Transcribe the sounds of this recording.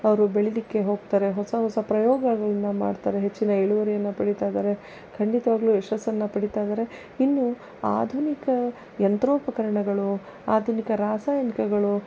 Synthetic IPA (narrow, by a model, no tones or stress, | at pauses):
ɐʋɐɾubeɭilikːe̞ɦo̞ːɡt̪aːɾe̞ɦɔsɐɦɔsɐpɾɐjɔːɡɐɡɐɭɐnːɐma̰ːɖt̪aːɾe̞ɦet͡ʃːinɐeɭuʋɐɾijɐnːɐpɐɽit̪aːjd̪aːɾe̞ | kʰɐɳɖit̪ɐʋaːɡluɛʂɐsːɐnːɐpɐɽit̪aːjd̪aːɾe̞ | inːu | aːd̪ʱunikɐ | jɐnt̪ɾoːpɐkɐɾɐɳɐɡɐɭu | aːd̪ʱunikɐɾaːsaːjɐnikɐɡɐɭu